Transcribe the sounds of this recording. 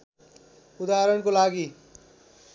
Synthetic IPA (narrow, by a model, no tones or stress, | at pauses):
ʊd̪aːɾəɽ̃kolaːɡiː